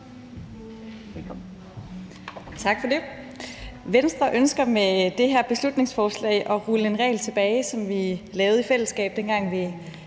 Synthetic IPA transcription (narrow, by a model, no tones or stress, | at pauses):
t͡sʰɑ̈ɡ̥fɒ̽de̝ | ʋensd̥ʁɐʔønsɡ̥ɐmed̥e̝ɦæɐ̰b̥e̝slud̥ne̝ŋsfɒːslɛ̰ɪʔɒ̽ʁuləe̝nʁɛ̰ːlt͡sʰe̝b̥ɛːɪsɒ̽mʋilɛːʊð̩ˠifel̰əsɡ̥ɛ̰ːb̥̚d̥enɡ̥ɑ̈ŋ̰ʋi